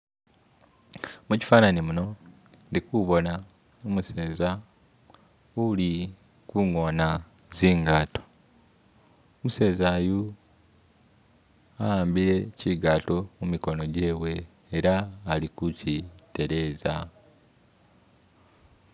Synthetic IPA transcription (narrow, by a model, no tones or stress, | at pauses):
muci̥faːnanimuno̞ | ndikuβo̞na | omuse̞ːza | uli | kuŋo̞ːna | ziːŋɡaːto̥ | omuse̞ːzaːju | ajaːmbiɾe̞ciɡato̞mumiko̞no̞ɟe̞ːβwe̞ː | ɾaːlikucite̞ɾe̞ːza